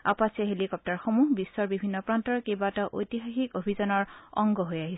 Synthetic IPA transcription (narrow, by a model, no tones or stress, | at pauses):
a̰pasiaɦelikɔp̚taɹxomuɦbisːɔɹbibʱinːɔpɹantɔɹkebataʔojtixaxikobʱizanɔɹɔ̰ŋɡɔɦojaɦisɛ